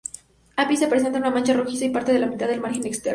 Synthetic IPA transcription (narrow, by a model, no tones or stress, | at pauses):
apise̞pɾe̞s̬ent̪anunamãnt͡ʃaro̞xisaipaɾt̪e̞ðe̞lamit̪aððelmaɾxe̞nekst̪eɾ